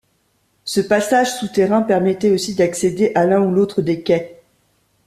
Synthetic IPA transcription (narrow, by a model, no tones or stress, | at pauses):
səpasaʒsut̪eʁɛ̃pɛʁmɛt̪ɛosid̪aksed̪eʔalɛ̃ulot̪χəd̪ekɛ